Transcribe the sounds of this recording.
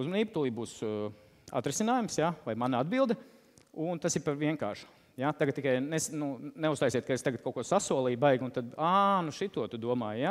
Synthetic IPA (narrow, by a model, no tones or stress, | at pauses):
uzmɔniːb̚t̪ulˠiːbuːs | a̰t̪ɾɪsinaːjumsjavajmanɐad̪bilˠd̪ɐ | unt̪asiɾpaɾʋiɛŋka̰ːɾʃu̥ | jat̪aɡɐt̪ːikajnɛsnunɛʊst̪ajsiɛt̪̚kaest̪aɡɐt̪̚kawkuɔsasuɔlˠiːbajɡunt̪ad̪anuʃit̪ːuɔt̪ud̪uɔmaːjja